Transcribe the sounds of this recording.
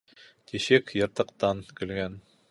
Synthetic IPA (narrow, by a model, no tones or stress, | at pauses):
t̪iʃɘkjɤ̆ɾt̪ɤ̆qt̪ɑnkɵ̆lɡæn